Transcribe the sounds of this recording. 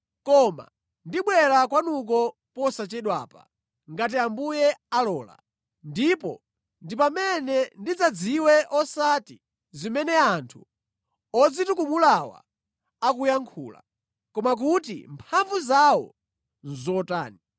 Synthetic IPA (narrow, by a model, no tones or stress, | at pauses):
kɔma̰ | ndiɓwɛɾakwanuk̬ɔ | pɔsat͡ʃɛɗwa̰ːpa̰ | ŋɡat̬iambujɛalɔːla̰ | ndipɔ̰ | ndipamɛnɛndid͡zad͡ziwɛʔɔsati | zimɛnɛantʰu | ɔd͡zitukumulawa̰ː | k̬ujaŋkʰṵːla̰ | kɔmak̬utḭmpʰaɱvuzawɔ̰ | nzɔta̰ːni